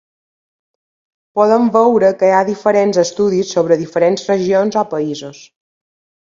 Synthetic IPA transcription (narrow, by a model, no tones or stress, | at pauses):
pɔðəɱbɛwɾəkəjaðifəɾenzəst̪uðisːoβɾəðifəɾenzrəʒionzɔpəizus